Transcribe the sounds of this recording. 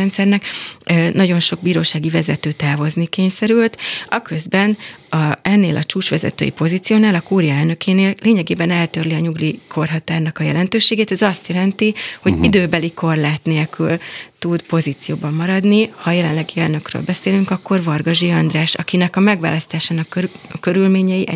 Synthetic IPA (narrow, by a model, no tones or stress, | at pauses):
ɛnt̪sɛrnɛknɒɟo̞nʃo̞ɡ̚biːɾoːʃaːɡivɛzɛt̪øːt̪aːvo̞znikeːɲsɛɾylt̪ɒkø̞zbɛnɒɛnːeːlʔɒt͡ʃuːt͡ʃʋɛzɛ̰t̪ø̰ːjḭpo̞zit̪sijoːnaːlɒkuːɾjɒɛlnø̞kʰeːneːlleːɲɛɡeːbɛnɛlt̪ørliɒɲuɡlikʰo̞rɦɒt̪aːrnɒkɒjɛ̰lɛnt̪øːʃeːɡeːt̪ɛzɒst̪jɛlɛnt̪iho̞ɟid̪øːbɛliko̞rlaːt̪neːlkylt̪ud̪po̞ziːt̪sijoːbɒmːɒɾɒd̪nihɒːjɛlɛnlɛɡiɛlnø̞krø̰lbɛseːlyŋkɒkːo̞rvɒrɡɒʒiɒnd̪raːʃɒ̰kinɛkɒmɛɡʋva̰ːlɒst̪aːʃaːnɒkkøɾylmeːɲɛjiʔɛ̰